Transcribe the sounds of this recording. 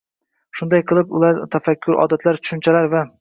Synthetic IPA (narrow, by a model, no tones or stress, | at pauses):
ʃʊnd̪ajqʰɨlˠɪpʊ̰laɾt̪ʰafakʲʰːʊɾɒ̰ːd̪at̪ʰlaɾt̪ʰʊ̥ʃɪnt͡ʃʰalaɾva